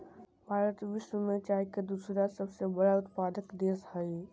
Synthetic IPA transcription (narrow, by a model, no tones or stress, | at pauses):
bʱaːɾət̪ʋɪʃwəmet͡ʃaɦiked̪usɾasəbsebəɽaʊt̪paːd̪əkd̪eshəi